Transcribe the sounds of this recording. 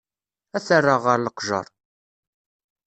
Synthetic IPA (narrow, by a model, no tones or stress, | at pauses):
æθərˤːaʁəɾləqʒə̰ɾˤ